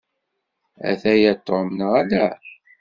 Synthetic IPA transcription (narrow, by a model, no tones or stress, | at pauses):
æ̰θæjæt̪ːomnəʁælæ